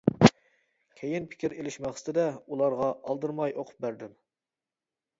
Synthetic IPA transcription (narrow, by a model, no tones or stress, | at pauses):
kʲʰejɪnpʰɪ̥kʲʰiɾelɪʃmæχst̪ɪd̪ɛulˠɑɾʁɑʔɑlˠd̪ɨɾmɑjʔoqʰʊ̥p̚bæɾd̪ɪm